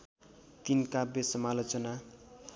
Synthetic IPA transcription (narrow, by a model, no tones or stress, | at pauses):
t̪inkabːesʌmalot͡sʌna